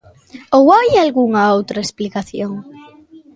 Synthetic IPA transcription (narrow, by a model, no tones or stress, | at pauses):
owajalɣuŋɐowt̪ɾɐesplikaθjoŋ